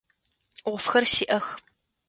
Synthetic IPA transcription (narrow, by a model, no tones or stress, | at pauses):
ʁʷʊfxɐrsiːʔɐx